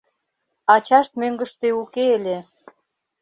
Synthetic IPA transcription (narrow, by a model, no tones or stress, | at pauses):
ɑt͡ɕɑʃt̪̚møŋɡə̆ʃt̪eukeelʲe